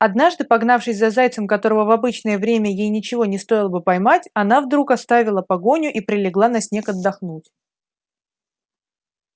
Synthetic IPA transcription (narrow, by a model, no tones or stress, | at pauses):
ɐd̪naʐd̪ɨpɐɡnafʂɨsʲzɐzajt̪səmkɐt̪o̞ɾəvəvɐbɨt͡ɕnəjəvɾʲemʲəjejnʲɪt͡ɕɪvo̞nʲɪst̪o̞jɪlˠəbɨpɐjmatʲɐnavd̪ɾukɐst̪avʲɪlˠəpɐɡo̞nʲʊʔipɾʲɪlʲɪɡlˠanɐsʲnʲe̞kɐd̪ːɐxnutʲ